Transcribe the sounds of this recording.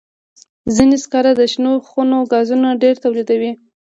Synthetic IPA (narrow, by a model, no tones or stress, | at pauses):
zineskɑɾad̪əʃnoxunoɡɑzunaɖeɾt̪awlid̪awi